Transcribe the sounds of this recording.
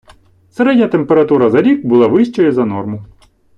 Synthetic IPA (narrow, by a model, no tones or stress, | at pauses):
seɾɛdʲnʲɐt̪empeɾɐt̪uɾɐzɐɾʲikbʊlˠaʋɪʃt͡ʃɔjɪzɐnɔrmʊ